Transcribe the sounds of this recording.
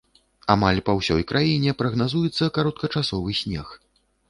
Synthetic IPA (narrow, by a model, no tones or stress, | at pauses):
amalʲpɐwsʲɔjkɾʔajinʲɛpɾɐɣnazujɛt̪sːɐkaɾɔt̪̚kɐt͡ʂasɔvɨsʲnʲɛx